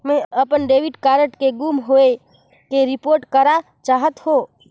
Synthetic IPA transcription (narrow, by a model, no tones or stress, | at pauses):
mɛ̃əpənɖeːʋɪɖkaːɾəʈkeɡuːmɦoːe | keɾɪpoːɾʈkəɾa | t͡ʃaːɦət̪hoː